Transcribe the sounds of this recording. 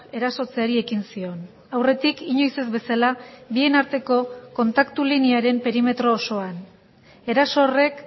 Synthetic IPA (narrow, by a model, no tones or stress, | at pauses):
e̞ɾaso̞t͡seaɾie̞kinsio̞n | awre̞t̪ikiɲo̞jse̞zbe̞salaβie̞naɾt̪e̞ko̞ko̞nt̪akt̪uliniaɾe̞mpe̞ɾime̞t̪ɾo̞ːso̞an | e̞ɾaso̞ːre̞k